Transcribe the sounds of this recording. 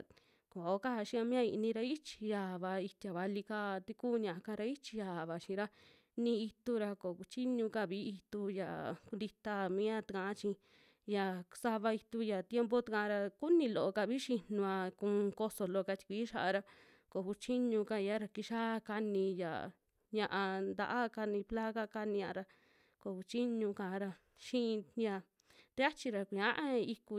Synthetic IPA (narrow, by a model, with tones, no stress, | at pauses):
ko˨o˦ka˦a˧ʃĩ˧a˧mĩ˦ã˧i˧ʔnĩ˧ɾa˧i˦t͡ʃi̥˧ja˧˨βa˧i˧t̪ʲa˨βa˧li˧ka˦˧t̪i˧kuː˦˨˧ɲã˧ʔa˧ka˧ɾa˧i˦t͡ʃi̥˧ja˨βa˨ʃĩ˧ɾa˦ | nĩ˧i˧t̪u˦ɾa˧ko˨ku˧t͡ʃi˦ɲũ˧ka˧˨βi˦i˧t̪u˧ja̰˨ku˧nd̪i˧t̪a˧mĩ˦a˦t̪i˧kã˧˦t͡ʃĩ˧ | ja˨sa˧βa˧i˧t̪u˧ja˨t̪je˦mpo˦t̪a˧kã˧ɾa˧ku˦nĩ˧lo˨ʔo˧ka˧βi˦ʃi˧nũ˧a˧kũ˧ko˧so˧lo˧ka˧t͡ʃi̥˧kʷiː˨˦ʃa˧a˧ɾa˧ | ko˨ku˧t͡ʃi˦ɲũ˧ka˧i˧a˦ɾa˧ki˧ʃa˦˧ka˧nĩ˧ja̰˨ | ɲã˧ʔã˧nd̪a̰˧ʔa˦ka˧nĩ˧pla˦ɣa˦ka˧nĩ˧ɲã˧ɾa˧ | ko˧˨ku˧t͡ʃi˦ɲũ˧kã˨˧ɾa˧ | ʃĩ˦˧ja˧ | t̪e˦a˦t͡ʃi˧ɾa˧kʷĩ˧ã˦ʔa˦i˧ku˧